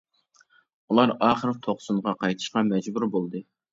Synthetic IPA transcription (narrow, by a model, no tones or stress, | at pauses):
ulˠɑɾɑːχəɾt̪ʰoχsuɴʁɑqʰɑjt̪ʰɨ̥ʃqɑmɛd͡ʒbuɾbolˠd̪ɨ